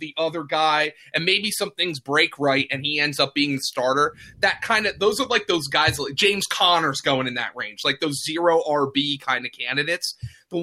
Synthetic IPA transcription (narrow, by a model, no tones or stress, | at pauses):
ðiʔʌðə˞ɡaɪ | ʔɨ̃nmeɪbisʌ̃mθɪ̃ŋzbɹeɪkʰɹaɪtɨ̃niɛ̃ndzʌp̚b̥iɪ̃ŋðɨstɑɹɾə˞ðɨt̚kʰãɪ̃ndɨðoʊzə˞laɪk̚ðoʊzɡaɪzlaɪk̚ʒ̥ẽɪ̃mz̥kʰɑnə˞zɡoʊɪ̃ŋɨ̃nðɨ̰ʔ̚ɹẽɪ̃nd͡ʒ̥laɪk̚ðoʊzzɪɹoʊʔɑɹbikʰãɪ̃ndɨkʰæ̃ndɨɾeɪtsðə